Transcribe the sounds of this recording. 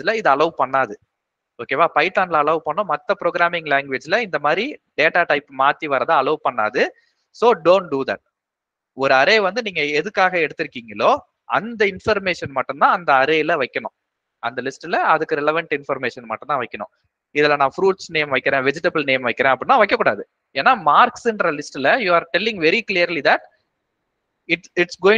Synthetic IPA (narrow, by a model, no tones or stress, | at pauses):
lɐɪðɯɐlɐʊpɐɳːaːðɯ | oːkeːʋaːpɐɪʈːaːnlɐɐlɐʊpɐɳːʊ̃ːmɐt̪ːɐpɾoːɡɾaːmɪŋɡlaːŋɡʋeːd͡ʒɪlɐɪnd̪ɐmaːd̪ɾiɖeːʈaːʈɐɪpːmaːt̪ːiʋɐɾɐðãːɐlɐːʊpɐɳːa̰ːðɯ | soːɖoːɳʈɖuːðɐʈ̚ | ɔɾɯɐɾeːʋɐnd̪ɯniːŋɡɐɛðɯkːaːɣɐɛɽɯt̪ːɪɾɯkːiːŋɡɐloː | ɐnd̪ɐɪnfɐɾmeːʂɐnmɐʈːɯ̃mt̪ãːɐnd̪ɐɐɾeːlɐʋɐɪkːɐɳʊ̰̃ | ɐnd̪ɐlɪsʈlɐɐðɯkːɯɾɛlɐʋɐɳʈɪnfɐɾmeːʂɐnmɐʈːɯ̃nt̪ãːʋɐɪkːɐnʊ̰̃ | ɪðɛlːɐnãːfɾuːʈsneːmʋɐɪkːɪɾẽːʋɛd͡ʒɪʈɐbɐlneːmʋɐɪkːɪɾẽːɐp̬ːɐɽɪnːaːʋɐɪkːɐkːuɽaːðɯ | eːnːaːmaːɾksɛnɾɐlɪsʈɪlɐjuːaːɾʈɛlːɪ̃ŋɡʋɛɾiklijɐɾlid̪ɐʈ̚ | ɪʈɪʈsɡoːɪ̃ŋ